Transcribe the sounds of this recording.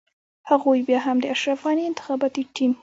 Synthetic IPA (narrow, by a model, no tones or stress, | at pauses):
haɣojbjɑɦamd̪əaʃɾafɣɑniɪnt̪ɪ̥xɑbɑt̪iʈim